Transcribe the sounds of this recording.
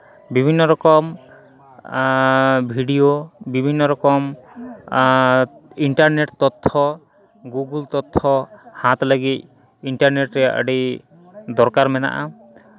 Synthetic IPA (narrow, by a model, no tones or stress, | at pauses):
bibʱinːɔɾɔkɔm | bʱiɖijobibʱinːɔɾɔkɔm | iɳʈaɾneʈt̪ɔt̪ʰːɔ | ɡuɡult̪ɔt̪ʰːɔhãt̪ləɡit̪̚ | iɳʈaɾneʈɾɛaʔə̰ɖi | d̪ɔɾkaɾmɛna̰ʔa